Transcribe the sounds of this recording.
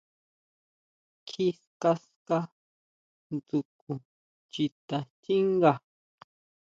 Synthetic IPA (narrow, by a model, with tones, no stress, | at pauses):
kʰi˧ska˧ska˦˧ | nd͡zu˨ku˨ | t͡ʃi˧t̪a˨t͡ʃi˦ŋɡa˧˨